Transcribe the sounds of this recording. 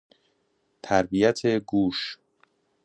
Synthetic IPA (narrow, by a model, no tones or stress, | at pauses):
t̪ʰæɾbijæt̪ʰeɡuːʃ